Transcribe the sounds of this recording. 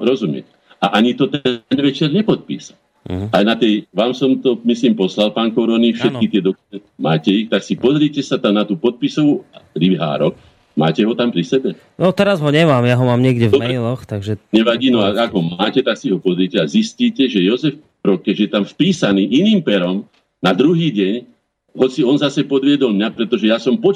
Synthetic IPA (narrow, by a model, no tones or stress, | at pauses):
ɾɔzumjɛ̰ɛ | aʔaɲit̪ɔt̪ɛnʋɛt͡ʃɛɾɲɛpɔt̪̚pḭːsal | ajnat̪ɛjʋaːmsɔmt̪ɔmisliːmpɔslalpaːŋkɔɾɔnifʃɛt̪̚kit̪ɪɛd̪ɔkumɛmaːcɛixt̪aksipɔzɾɪɛcɛsat̪amnat̪uːpɔt̪̚pisɔuaɾiɦa̰ːɾɔk | maːcɛɦɔt̪ampɾisɛbɛ | nɔt̪ɛɾazɦɔɲɛmaːmjaɦɔmaːmɲɪɛɡɟɛvd̪ɔmɾɛlɔxt̪aɡʒɛɲɛʋaɟiːnɔaaɡɦɔmaːcɛt̪aksiɦɔpɔzɾicɛazisciːcɛʒɛjɔzɛf | ɾɔkːɛʒɛjɛt̪amfpiːsaniːʔiniːmpɛɾɔm | nad̪ɾuɦiːɟɛɲ | ɦɔt͡siɔnzasɛpɔd̪ʋɪɛd̪ɔlmɲapɾɛt̪ɔʒɛjasɔmpɔt͡ʃ